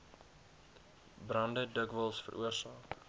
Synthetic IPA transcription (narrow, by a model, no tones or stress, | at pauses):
brɐndədəkvəlˠsfə̰ɾʔuərsɑːk